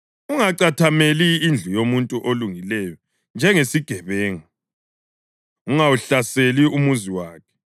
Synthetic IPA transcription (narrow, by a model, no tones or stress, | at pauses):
uŋaǀatʰameliːnd͡ɮʱujomuntʼuʔoluŋilɛjɔ | nd͡ʒʱɛŋesiɡ̥ʱɛβɛːŋa | uŋawuɬaseliumuziwaːkʰɛ̥